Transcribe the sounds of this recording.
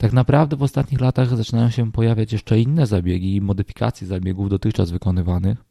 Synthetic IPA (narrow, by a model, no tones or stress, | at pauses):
t̪aknapɾavd̪ɛvɔst̪at̪ɲixlat̪aɣzat͡ʂɘnajɔ̃ɕɛpɔjavʲjat͡ɕjɛʂt͡ʂɛinːɛzabʲjɛɡʲiːmɔd̪ɘfʲi̥ka̰t̪sʲjɛzabʲjɛɡuvd̪ɔt̪ɘxt͡ʂazvɘkɔnɘvanɘx